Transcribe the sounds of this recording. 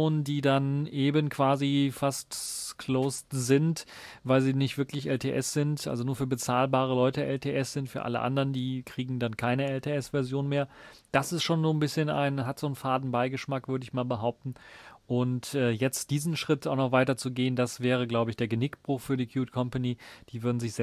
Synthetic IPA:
oːnəndiːdanʔeːbənkʰv̥aːzifastkʰloːstzɪnt | vaɪlziːnɪçtv̥ɪɐklɪçʔɛltʰḛːʔɛsz̥ɪntʔa̰lzonuːɐfyːɐbət͡saːlbaːʁ̞əlɔʏtəʔɛltʰeːʔɛsz̥ɪntfyːɐʔa̰lə̰ʔa̰ndəʁəndiːkʁ̥iːɡŋ̩dankʰaɪnəɛltʰeːɛsv̥ɛɐzjoːnmeːɐ | d̥asɪstʃoːnzoːnbɪsçəna̰ɪnɦatz̥oːnfaːdn̩baɪɡəʃmakv̥ʏɐdəɪçmaːlbəɦaʊp̚tn̩ʔʊntʔɛːjɛt͡std̥iːzn̩ʃʁ̥ɪtaʊxnɔχv̥aɪtɐt͡suɡeːəndasv̥ɛːʁ̞əɡlaʊbəɪçd̥eːɐɡənɪkb̥ʁʊχfyːɐdiːkʰjuːtkʰɔmpaniːd̥iːvʏɐdn̩zɪçz̥ɛ

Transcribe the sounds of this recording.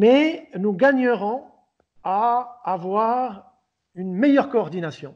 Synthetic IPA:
mɛnuɡaɲəʁɔ̃ | aːvwaʁ | ynmejœʁkoɔʁd̪inasjɔ̃

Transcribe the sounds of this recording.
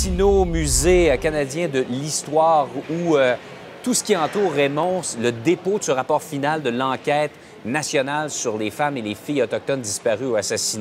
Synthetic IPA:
sinomyzekanad͡zjɛ̃d̪əlist̪waːʁuø | t̪usə̥kʲiɑ̃t̪uːʁːemɔ̃sləd̪epod̪səʁapɔːʁfinald̪əlɑ̃kʲɛːt̪ | nasjɔnalsyʁlefamelefijɔt̪ɔk̚t̪ɔnd̪ispaʁyoasasine

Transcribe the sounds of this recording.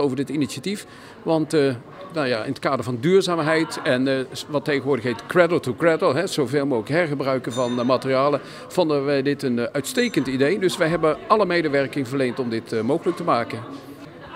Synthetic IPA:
owvəɹdɪtiniʃatif | ʋɑnt | najaːɪ̰nət̚kaːdəɹvɑndyːɹzaːmɦɛjtɛnʋɑtːejɣəʋʊːɹdəχɦejtkrɛdəlˠtukrɛdəlˠɦɛz̥owveːlˠmuɪkɦɛɹχəbrœɥkənvɑnmatərijaːlə | v̥ɔndənʋɛjdɪtənœɥtstejkəntidejdɵsʋɛjɦɛbəɑləmejdəʋɛrkɪŋvəɹlejntɔmdɪtmowχələk̚təmaːkən

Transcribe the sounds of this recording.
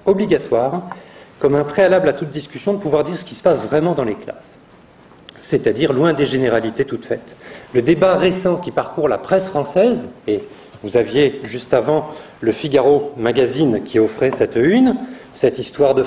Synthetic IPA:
ɔbliɡʲat̪waʁkɔmɛ̃pχealablat̪ut̪̚d̪iskʲysjɔ̃d̪əpuvwaʁd̪iʁsə̥kʲisə̥pasvʁɛmɑ̃d̪ɑ̃lekla̰s | et̪ad̪iʁlwɛ̃d̪eʒeneʁalit̪et̪ut̪fɛt̪ləd̪ebaʁesɑ̃kʲipaʁkuʁla̰pχɛsfχɑ̃sɛze | vuzavjeʒyst̪avɑ̃ | ləfiɡaʁomaɡazinkʲʰiɔfχɛsɛt̪ynsɛt̪ist̪waʁd̪ə

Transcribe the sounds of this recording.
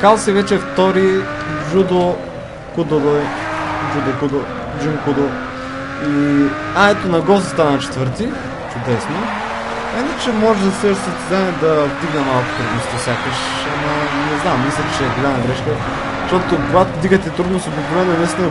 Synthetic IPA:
kalˠsivɛt͡ʃɛft̪ɔɾiʒud̪o | kud̪ol | d͡ʒud̪kud̪o | d͡ʒimkud̪o | i | aɛt̪onɐɡɔst̪st̪anɐt͡ʃɛ̥t̪vɤɾt̪i | t͡ʃud̪ɛsno | ɛinət͡ʃɛmɔʒɛd̪ɐsɛsɐst̪ɛzanɛd̪ɐvd̪iɡnɐmalˠko̥t̪ɾud̪ost̪ifsʲjakəʃ | ɐmɐnɛznamːislʲət͡ʃɛɡolʲanɐɡɾɛʃkə | ʃt̪ot̪okoɡat̪od̪iɡət̪ɛt̪ɾud̪nosobiklovɛnoɛnɐist̪ino

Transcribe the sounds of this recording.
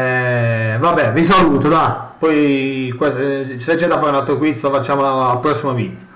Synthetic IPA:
ɛvabːɛvis̬aluːt̪od̪apɔjkesset͡ʃːɛd̪ːafːaɾeunalt̪ɾokwit̪sofat͡ʃːaːmoalpɾɔsːimovid̪jo

